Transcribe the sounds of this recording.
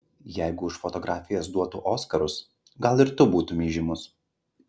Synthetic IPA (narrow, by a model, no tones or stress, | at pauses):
jæɪɡʊʊʃfɔt̪ɔɡɾʔɑːfʲɪjɛs̬d̪uɔt̪uʔoːskɐɾʊs | ɡɐlˠɪɾt̪ʊbuːt̪ʊmʲiːʒʲimʊs